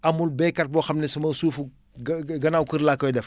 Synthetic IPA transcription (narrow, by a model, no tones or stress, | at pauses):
ɐmulbɛːkɐt̚bɔxɐmnɛsɐmɐsuːfu | ɡɡɐnawkəɾlakːɐjɛdɛf